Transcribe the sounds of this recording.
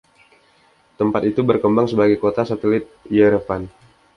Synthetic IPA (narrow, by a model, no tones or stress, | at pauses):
t̪əmpat̪it̪ubərkəmbaŋsəbaɡajkot̪asat̪əlɪt̪̚jəɾəfan